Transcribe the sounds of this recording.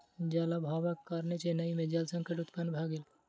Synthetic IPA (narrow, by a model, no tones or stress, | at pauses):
d͡ʒaːlabʱaːʋɐkːaɾnet͡ʃenɐimẽd͡ʒalsɐ̃ŋkʰəʈʊt̪pɐnbʱaːɡɪl